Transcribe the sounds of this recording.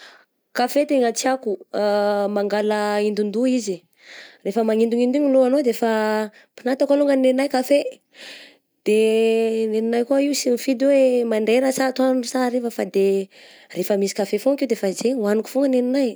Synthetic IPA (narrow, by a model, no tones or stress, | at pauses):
kafet̪eŋət͡siaku | maŋɡaləind̪und̪uizi | refəmaŋind̪uŋind̪uŋiloanod̪efa | pinat̪akaluŋɡanneinajkafe | d̪̥eneninajkuaiusimifid̪iwemaɳɖ͡ʐeɾəsat̪annnusaɾefəfad̪e | refəmisi̥kafefokiud̪efazewaniku̥fuŋɡəneninaj